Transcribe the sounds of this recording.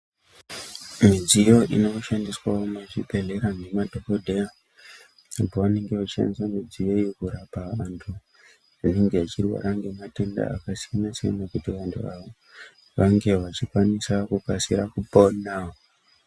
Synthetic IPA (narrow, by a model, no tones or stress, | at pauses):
mid͡zijo̞ḭno̞ʃandiswaomaʐipe̞ɮe̞ɾaŋɡe̞madʱo̞kodʱeja | apoʋane̞ŋɡe̞ʋat͡ʃia̰nisamid͡zijo̞jekuɾapaantʰu | ineŋɡe̞at͡ʃirwa̰ɾaŋɡe̞mate̞nda̰a̰kasijanaseḛnakutiʋantʰṵaʋo | ʋaŋɡe̞ʋat͡ʃikwanisakukasiɾakupo̞nao